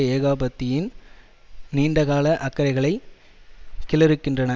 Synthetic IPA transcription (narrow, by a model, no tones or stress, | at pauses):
ɐeːɣaːbɐt̪ːɪjɪn | niːɳɖɐɣaːlɐʔɐkːɐɾɐɪɣɐɭɐɪ | kɪlɐɾɯkːɪndrɐnɐ